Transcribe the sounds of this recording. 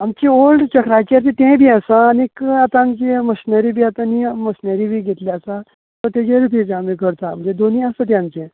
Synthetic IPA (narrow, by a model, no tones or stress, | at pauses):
amt͡ɕiolɖt͡ɕəkɾajt͡ɕeɾt̪et̪ẽbʱiːasaːnekat̪aamt͡ɕeməɕinəɾibʱiːat̪animəɕnəɾibʱiːɡʱet̪liasa | t̪əɾt̪jed͡ʑeɾupid͡zamikəɾt̪aməd͡ʑed̪oniasət̪eamt͡ɕẽ